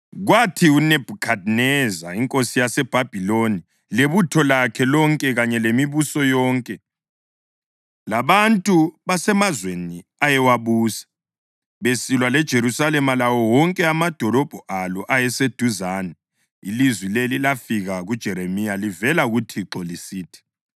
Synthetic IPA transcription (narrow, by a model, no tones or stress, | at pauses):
ɣwatʰiunɛb̥ʱukʰad̚nɛzaiŋkʼosijasɛb̥ʱab̥ʱiloni | leβutʰɔlakʰɛlɔŋkʼɛɣaɲɛlemiβusɔjɔːŋkʼɛ | laβantʼuβasɛmazweniajɛwaβuːsḁ | βesilwalɛd̥ʒ̥ʱeɾusalɛmalawɔwɔŋkʼɛamad̥ʱɔlɔb̥ʱɔʔalɔʔajɛsed̥ʱuzaːnɛ | ilizwilelilafiɣaɣud̥ʒ̥ʱɛɾemijalivɛlaɣutʰiǃɔlisiːtʰɛ̥